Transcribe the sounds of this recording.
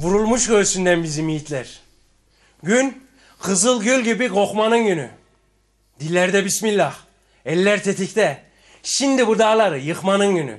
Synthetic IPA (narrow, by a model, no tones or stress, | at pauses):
vuɾulˠmuʃɡøɾsynd̪ænbizimijit̪ʰlʲæɾ | ɟyn | qʰɯzɯlˠɟølʲɟibiɡoχmanɯnɟyny̰ | d̪ilʲːɛɾd̪ɛbismilʲːah | ɛlʲːæɾt̪ʰet̪ʰict̪ɛ | ʃind̪ibud̪aːlˠaɾɯjɯχmanɯnɟyny̰